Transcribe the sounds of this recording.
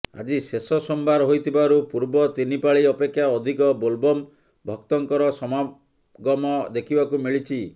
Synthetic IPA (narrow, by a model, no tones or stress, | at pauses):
a̰d͡ʒisesɔsɔmbaɾɦojt̪ʰibaɾupuɾbɔt̪inipaɭiɔpekʰjaɔd̪ʱikɔbolbɔm | bʱɔk̚t̪ɔŋkɔɾɔsɔma | ɡɔmɔd̪ekʰibakumiɭit͡ʃʰi